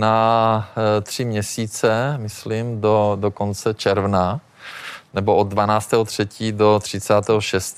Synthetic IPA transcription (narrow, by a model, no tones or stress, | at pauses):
na | t̪r̝̥ɪmɲɛsiːt͡sɛmɪslimdodokont͡sɛt͡ʃɛɾvna | nɛbo̞ʔod̪̚ːvanaːt͡st̪ɛːɦot̪r̝̥ɛciːdo̞t̪r̝̥ɪt͡saːt̪ɛːɦoʃɛst̪